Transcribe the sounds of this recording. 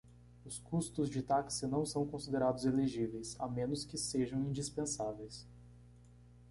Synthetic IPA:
ʊskust̪ʊzd͡ʒɪt̪aksɪnɐ̃w̃sɐ̃w̃kõsid̪eɾad̪ʊzeleʒivejsamẽnʊskɪseʒɐ̃w̃ĩd͡ʒispẽsavejs

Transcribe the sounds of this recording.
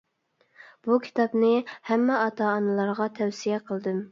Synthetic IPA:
b̥ukʲʰi̥t̪ɑpnɨhæmːɛɑt̪ɑːnɨlˠɑɾʁɑt̪ʰɛwsijɛqʰəlˠd̪ɨm

